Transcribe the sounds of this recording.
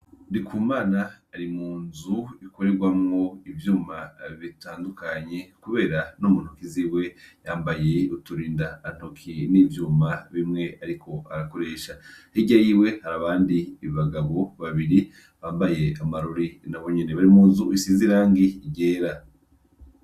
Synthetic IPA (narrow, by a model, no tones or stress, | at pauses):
ndikʰuːmaːnaː | ɾimuːnzuiko̞ɾeɡwamŋo̞ivjuːmaβitaːndukaɲe̞kuβe̞ːɾanomuːn̥hokiziwe̞jaːmbajeutuɾiːndaːn̥hokʰiniːvjuːmaβimŋe̞aɾikʰo̞aɾako̞ɾe̞ʃahiɟajiwe̞haɾaβaːndiːβaɡaβo̞βaβiɾi | βaːmbaje̞amaɾoɾinaβo̞ɲe̞ne̞βaɾimuːnzuisiziɾaːŋɡiɟe̞ːɾa